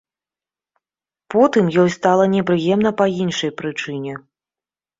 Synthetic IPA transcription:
pɔt̪ɨmjɔjst̪alˠɐnʲɛpɾɨjɛmnɐpɐinʂɐjpɾɨt͡ʂɨnʲɛ

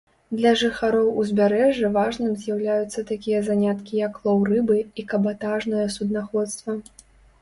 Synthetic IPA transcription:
d̪lʲɐʐɨxaɾɔwuzʲbʲaɾɛʐːɨvaʐnɨmzʲjawlʲajut̪sːɐt̪akʲijɐzanʲat̪kʲijɐklˠɔwrɨbɨikɐbat̪aʐnɐjɐsud̪naxɔt̪st̪vɐ

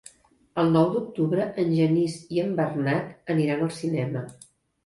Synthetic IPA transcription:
əlˠnɔwd̪uk̚t̪uβɾəʔənʲʒəniziəmbərnat̪əniɾanəlˠsinɛmə

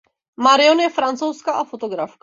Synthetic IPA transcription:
maɾɪonjɛfɾant̪t͡sowskaʔafot̪oɡɾafk

